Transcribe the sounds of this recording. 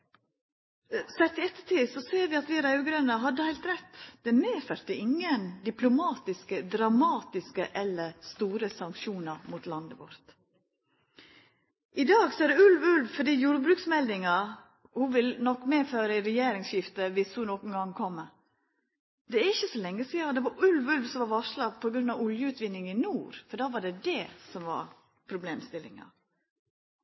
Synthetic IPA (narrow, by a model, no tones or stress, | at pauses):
sɛt̪ːɪɛt̪ːət̪iːsɔseːɾʋɪɑt̪ʋɪɾɑʉɡɾœnəɦɑd̪ːəhæɪlt̪ɾɛt̪ːd̪̥ɛmeːfœɾt̪əɪŋːənd̪ɪplʊmɑːt̪ɪskəd̪ɾɑmɑːt̪ɪskəʔɛlːəɾst̪uːɾəsɑŋkʃuːnɑɾmut̪lɑnd̪əʋɔ̰ɾt̪ | ʔɪd̪ɑːɡsɔæd̪ɛʉlʋʉlʋfɔɖiːjuːɾəbɾʉːksmɛld̪ɪŋɑ | hʊʋɪlnɔkːmeːføːɾəɪɾɛjeːɾɪŋsɕɪft̪əʋɪshʊnɔkənŋ̩ɡɑŋːkʰɔmːə | d̪ɛæɾɪçːəsɔlɛŋːəsid̪ɛʋɑʉlʋʉlʋsɔmʋɑɾʋɑʂlɑpʰɔɡɾʉnːɑʋʊljəʉːt̪ʋɪnːɪŋɪnuːɾfɔɖɑːʋɑɖɛd̪ɛːsɔmʋɑ̰ɾ | pʰɾʊbleːmst̪ɪlːɪ̰ŋɑ̰